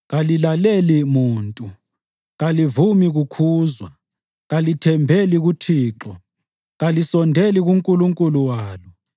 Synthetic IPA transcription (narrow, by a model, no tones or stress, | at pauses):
ɣalilalelimuːntʼu | ɣalivumiɣukʰuːzwa | ɣalitʰɛmbʱeliɣutʰiːǁɔ | ɣalisɔndʱɛliɣuŋkʼuluŋkʼuluwaːlɔ